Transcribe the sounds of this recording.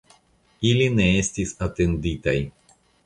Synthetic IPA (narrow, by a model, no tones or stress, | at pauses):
ilʲineestʲisat̪end̪it̪aj